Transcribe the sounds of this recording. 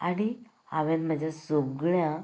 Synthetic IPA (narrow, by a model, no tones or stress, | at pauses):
aɽ̃i | aʋẽnməd͡ʑasoɡɭjã